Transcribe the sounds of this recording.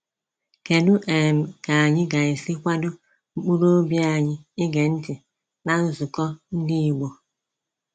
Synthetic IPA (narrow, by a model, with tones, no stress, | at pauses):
ke˨du˦ʔe˨m̩˨ka˨a˨ɲɪ˦ɡa˨e˨si˦kʷa˦dʊ˦ | ŋ͡m̩˦k͡pu˦ɾo˦bja˨ɲɪ˦ɪ˦ɡe˨n̩˦tɪ˨ | na˦n̩˦zu˨kɔ˦n̩˦di˦i˨ɡ͡bo˨